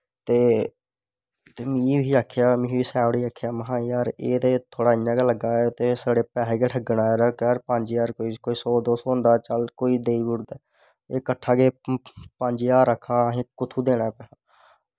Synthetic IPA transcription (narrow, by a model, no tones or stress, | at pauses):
t̪eː | t̪eːmĩːiːaːkʰːjaːmĩːiːsɛːʋɽiːaːkʰejaːməɦãːjaːɾeːt̪eːt̪ʰoːɽaːɪjãːkaləɡaːt̪eːsaːɽeːpɛːɦeːkeːʈʰəɡɳaːɾəkaːɾpəɲd͡ʒjaːɾkoːiːkoːiːsɔːd̪oːsɔːɦʊ̃nd̪aːt͡ʃəlkoːiːd̪eːiːbʊɽd̪aː | eːkəʈʰːaːkeːpəɲd͡ʒjaːɾəkʰaːɦẽːkʊt̪ʰuːd̪eːɽaːpɛːaː